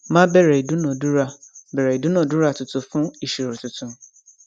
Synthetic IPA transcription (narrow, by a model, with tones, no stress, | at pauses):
mã˦bɛ˦ɾɛ˨i˨dʊ˦nɔ̃˨du˦ɾa˨bɛ˨ɾa˨i˨dʊ̃˦nʊ̃˨du˦ɾa˦˨tʊ˨tʊ˨fʊ̃˦i˨ʃi˨ɾu˨tʊ˨tʊ̃˨˦